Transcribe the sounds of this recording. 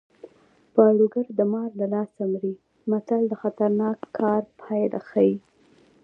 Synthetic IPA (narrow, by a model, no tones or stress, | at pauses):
pəɽuɡaɾd̪əmɑɾlalɑsamɾi | mat̪ald̪əxat̪aɾnɑkʰːɑɾpʰɑjlʔa̰xaji